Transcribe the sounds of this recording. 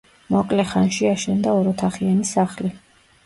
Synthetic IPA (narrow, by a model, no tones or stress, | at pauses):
mɔkʼlɛχanʃiaʃɛnd̪aɔɾɔt̪ʰaχianisaχli